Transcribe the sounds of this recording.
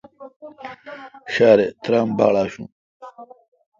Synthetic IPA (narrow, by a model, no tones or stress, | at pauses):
ɕaːɾet̪ɾamba̰ːɭaːɕũ